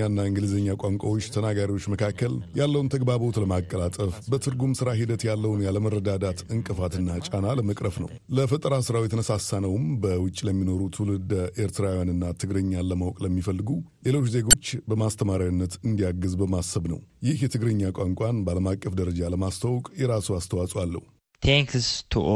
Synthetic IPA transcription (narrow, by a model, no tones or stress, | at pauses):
anːaɨŋɡɨlɨzəɲːakʷʼaŋkʷʼawot͡ʃːt̪ʰənaɡaɾiwo̞t͡ʃːməkʰakːəljalːəwunt̪ʰəɡbaβo̞t̪ləmakʼːəlat̪ʼəfbət̪ʰɨɾɡumsɨɾaɦid̪ət̪jalːəwunjaləmərːəd̪ad̪at̪ɨŋkʼɨfat̪ɨnːat͡ʃʼanaləməkʼɾəfnə̰w | ləfət̪ʼəɾasɨɾawjɛt̪ʰənəsasːanəwmbəwʊt͡ʃʼːiləmːino̞ɾut̪ʰulɨd̪ʔe̞ɾt̪ʰɨɾawjanɨnːat̪ʰɨɡɾɨɲːaləmawkʼləmːifəlːɨɡule̞lo̞t͡ʃːze̞ɡo̞t͡ʃːbəmast̪ʰəmaɾaunːət̪ɨnd̪ijaɡɨzbəmasːəβnə̰wjɪhjɛt̪ʰɨɡɾɨɲːakʷʼaŋkʷʼanbəaləmakʼːəfd̪əɾəd͡ʒaləmast̪ʰəwkʼjɛɾasuwast̪ʰəwasʼwalːə̰hu | t̪ʰɛŋkst̪ʰu